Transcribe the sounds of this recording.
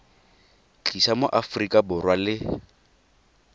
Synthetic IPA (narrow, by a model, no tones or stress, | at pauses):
t͡ɬʼisamoʔafrikʼabʊrwalɪ